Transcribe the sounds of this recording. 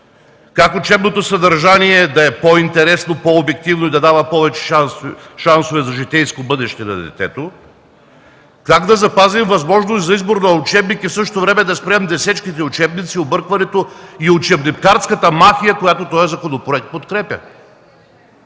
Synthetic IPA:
kakʊt͡ʃɛbnot̪osɐd̪ɐɾʒaniɛd̪ɐɛpoint̪ɛɾɛsnopoobɛk̚t̪ivnoid̪ɐd̪avɐpɔvɛt͡ʃɛ̥ʃasʃansovɛzɐʒit̪ɛjskobɤd̪ɛʃt̪ɛnɐ̰d̪ɛ̰t̪ɛ̰t̪o | kaɡd̪ɐzɐpazimvɐzmɔʒnost̪zɐizboɾnɐut͡ʃɛbnikifsɤʃ̬t̪ovɾɛmɛd̪ɐspɾɛmd̪ɛsɛt͡ʃkit̪̬ɛʊt͡ʃɛbnit̪siobɤɾkvɐnɛt̪oiʊt͡ʃɛbnimkaɾt̪skɐt̪ɐmafijɐkojat̪ot̪ɔɛzɐkonopɾoɛk̚t̪̚pot̪kɾɛpʲjɐ̰

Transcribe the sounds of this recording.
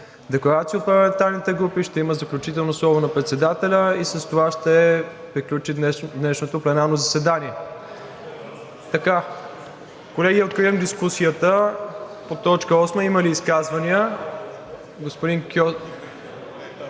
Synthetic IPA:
d̪ɛklˠɐɾat̪siəot̪pəlɐmɛ̃nt̪alnit̪ɛɡɾupiʃt̪ɛiməzɐklʲut͡ʃit̪ɛlˠnoslˠɔvonɐpɾɛt̪sɛd̪at̪ɛlʲəisəst̪ovaʃt̪ɛ | pɾiklʲut͡ʃiɛd̪nɛʃnot̪oplɛnaɾnozɐsɛd̪aniɛ | t̪ɐka | kolɛɡiɛot̪̚kɾivəmd̪iskusijət̪ə | pot̪ɔt͡ʃkəɔsməiməliːskazvəniə | ɡospod̪iŋkʲɔ

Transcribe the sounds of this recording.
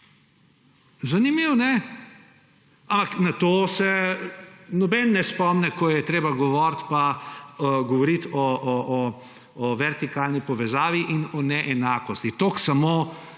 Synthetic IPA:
zanimiwnɛ | ãmpaknat̪oːsɛ | nɔbɛnːɛspɔmnɛkɔjɛt̪ɾeːbaɡɔʋɔɾt̪pa | ɡɔʋɔɾit̪ɔʔɔʔː | ʋɛɾt̪ikaːlnipɔʋɛzaːʋiʔinɔnɛʔɛnaːkɔst̪it̪oːksamo

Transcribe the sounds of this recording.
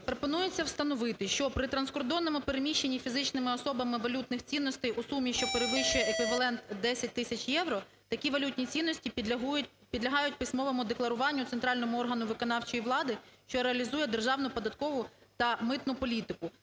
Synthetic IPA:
pɾɔpɔnujet͡sʲːɐwst̪ɐnɔʋɪt̪ɪʃt͡ʃɔpɾɪt̪ɾɐnskɔrd̪ɔnːɔmʊpeɾemʲiʃt͡ʃːenʲːifʲizɪt͡ʃnɪmɪɔsɔbɐmɪʋɐlʲut̪nɪxt͡sʲinːɔsʲt̪ɛjʔusumʲːiʃt͡ʃɔpeɾeʋɪʃt͡ʃʊjɛekʋʲiʋɐlˠɛnt̪d̪ɛsʲɐt̚ʲt̪ɪsʲɐt͡ʃjɛʋɾɔ | t̪ɐkʲiʋɐlʲut̪ʲnʲit͡sʲinːɔsʲtʲiɦʲ | pʲid̪lʲɐɦɑjʊtʲpɪsʲmɔʋɐmʊd̪eklˠɐɾʊʋɑnʲːʊt̪sent̪ɾɑlʲnɔmʊɔrɦɐnʊʋɪkɔn̪ɑwt͡ʃɔjiʋlˠɑd̪ɪʃt͡ʃɔɾeɐlʲizujɛd̪erʒɑwnʊpɔd̪ɐt̪kɔʋʊt̪ɐmɪt̪nʊpɔlʲit̪ɪkʊ

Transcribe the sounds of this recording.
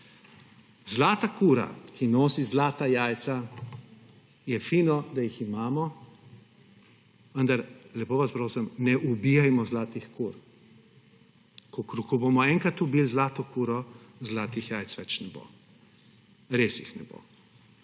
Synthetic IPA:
zlaːt̪akuːɾa̰kʰinoːsizlaːt̪ajaːjt̪sa | jɛfiːnɔd̪ajiximaːmɔ | ʋənd̪aɾlɛpoːʋaspɾoːsɛmnɛʔubijajmɔzlaːt̪ixkuːɾ | kɔkɾkɔbomɔɛŋkat̪ubilzlaːt̪ɔkuːɾɔzlaːt̪ixjaːjt̪sʋɛt͡ʃnɛbo̰ː | ɾeːsjixnɛbo̰

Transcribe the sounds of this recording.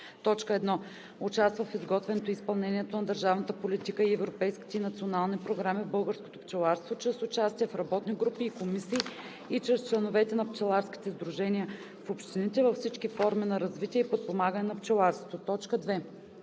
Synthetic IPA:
t̪ɔt͡ʃkəɛd̪nɔ | ʊt͡ʃast̪vəfizɡɔt̪vɛnot̪oispɐlˠnɛnʲiɛt̪onɐd̪əɾʒavnət̪əpolit̪ikəiɛvɾopɛjski̥t̪ɛinɐt̪sionalˠnipɾoɡɾamivbɤlˠɡəɾsko̥t̪opt͡ʃɛlˠaɾst̪vot͡ʃɾɛsʊt͡ʃast̪iɛfɾɐbɔt̪niɡɾupiːkomisiː | t͡ʃɾɛst͡ʃlɛnovɛt̪ɛnɐpt͡ʃɛlˠaɾsk̟ʲi̥t̪ɛzd̪ɾuʒɛniə | fopʃt̪init̪ɛvɐfsit͡ʃkifɔɾminɐɾɐzvit̪iɛipot̪̚pomaɡənɛnɐpt͡ʃɛlˠaɾst̪vo̥t̪ot̪ɔt͡ʃkəd̪vɛ

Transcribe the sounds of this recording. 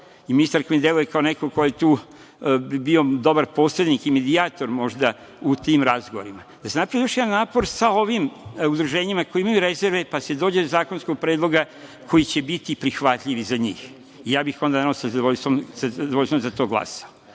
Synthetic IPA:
iminist̪aɾkojied̪elˠujekaonekokojet̪uː | bio̞d̪o̞baɾpo̞sled̪nikime̞d̪iaːt̪o̞ɾmo̞ʒd̪a | ut̪imɾazɡoʋoɾima | d̪asenapɾaʋijo̞ʃjeanaːpo̞ɾsao̞ʋimud̪ɾuʒe̞ːɲimakojeimajuɾeze̞ɾʋe̞pase̞d̪o̞ːd͡ʑed̪ozaːkonskoɡ̚pɾeːd̪lˠo̞ɡa | kʰo̞jit͡ɕe̞bit̪ipɾixʋat̪ʎʲiʋizaɲiːx | ijaːbixo̞nd̪anaaosaʋoʎst̪omsad̪ʋoʎst̪omzat̪o̞ːɡlˠa̰sao

